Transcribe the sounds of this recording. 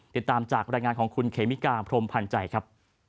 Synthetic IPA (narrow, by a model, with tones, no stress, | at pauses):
t̪i˨˩t̪ːaː˧mt͡ɕaː˨˩k̚ɾaː˧jŋaː˧nkʰɔː˩˦ŋkʰu˧nkʰeː˩˦mi˦˥kaː˧pʰɾo˧mpʰa˧nt͡ɕa˨˧˩jkʰɾa˦˥p̚